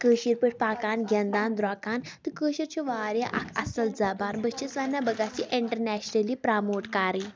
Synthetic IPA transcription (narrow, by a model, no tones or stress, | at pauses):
kəːɕiɾpəʈ̚ʰpaːkaːnɡʱənd̪aːnd̪ɾakaːnt̪ɨkəːʃiɾt͡ʃʰoʋaːɾjaʔa̰kʰɐsəld͡zabaːnbət͡ʃisʋanːabəɡat͡ɕiʔiɳʈəɾnɛɕnəlipɾamoːʈkaːɾiː